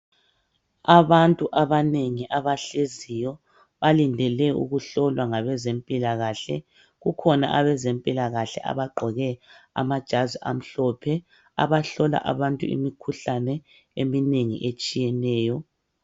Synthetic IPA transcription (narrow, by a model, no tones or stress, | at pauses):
aβantʼuʔaβaneŋiʔaβaɬezijɔ | βalindʱɛlɛṵɣuɬɔlwaŋaβɛzempʼilaɣaɬɛ̰ | ɣukʰɔna̰ʔaβɛzempʼilaɣaɬɛ̰ʔa̰βaɡ͡ǃʱɔɣɛa̰mad̥ʒ̥ʱaziʔam̩ɬɔpʰɛ | a̰βaɬɔla̰ʔaβantʼṵḭmikʰuɬanɛ | emineŋḭʔet͡ʃʼijɛnɛːjɔ